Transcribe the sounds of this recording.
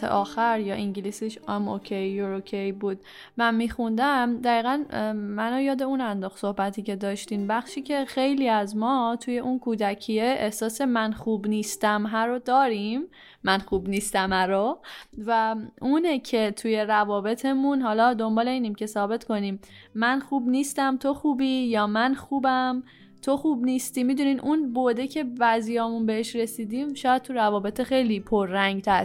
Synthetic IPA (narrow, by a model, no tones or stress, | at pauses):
ḛʔɒːxæɾjɒːʔiɲɟilisiʃemokʰejːuɾokʰejbuːd̪̥ | mænmixund̪æmd̪æɣiːɣænmænojɒːd̪e̞unænd̪ɒːxso̞hbæt̪ʰiːcʰe̞d̪ɒːʃt̪iːmbæxʃiːcʰe̞xe̞jliːæzmɒːt̪ʰuje̞ʔunkʰuːd̪æcʰieʔehsɒːse̞mænxuːbniːst̪æmɦæɾod̪ɒːɾimː | ænxuːbniːst̪æmæɾovæunecʰe̞t̪ʰuje̞ɾævɒːbe̞t̪ʰe̞mũnɦɒlɒːd̪o̞mbɒːle̞iːnimce̞sɒːbe̞t̪ʰko̞niːmː | ænxuːbniːst̪æmt̪ʰo̞xuːbiːjɒːmænxuːbæm | t̪ʰo̞xuːbniːst̪iːmiːd̪uniːd̪ʔunbod̪ecʰe̞væzijɒːmunbe̞heʃɾe̞siːd̪iːmʃɒːjæd̪̚t̪ʰuɾævɒːbe̞t̪ʰexe̞jliːpʰoɾːæŋɡt̪ʰæɾ